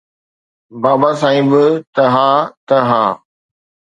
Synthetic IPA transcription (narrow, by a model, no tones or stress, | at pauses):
baːbasãːĩːbɪt̪ɐɦaːt̪ɐɦaː